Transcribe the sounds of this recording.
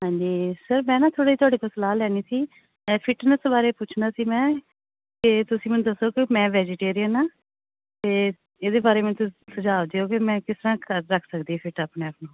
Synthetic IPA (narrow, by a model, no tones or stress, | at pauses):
ɦãːɲd͡ʒiːsəɾmɛ̃ːnãːt̪ʰoːɽiːiːt̪ʊaːɽeːkosəlaːlɛːniːsiː | ɛːpʰɪʈnəsbaːɾeːpʊt͡ʃʰnaːsiːmɛ̃ː | kɪt̪ʊsĩːmɛnũːd̪əsːoːkɪmɛ̃ːʋɛːd͡ʒeʈeːɾijənaː | t̪eː | eːd̪eːbaːɾeːmɛ̃ːt̪ʊsəd͡ʒaːd͡ʒ̪eoːkɪmɛ̃ːkɪst̪ɾãːkəɾːəkʰsəkd̪iːɛːpʰɪʈaːpneːaːpnũː